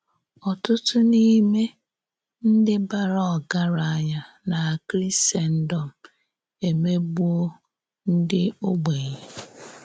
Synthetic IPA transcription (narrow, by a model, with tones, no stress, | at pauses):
ɔ˨tʊ˦tʊ˦ni˦me˦ | n̩˦dɪ˦ba˦ɾɔ˦˨ɡa˦ɾa˨˦ɲa˦ | na˨kɾi˦se˦n̩˦dɔ˨m̩˨ | e˨me˦bu˦o˦ | n̩˦dɪ˦o˦ɡ͡be˨ɲe˨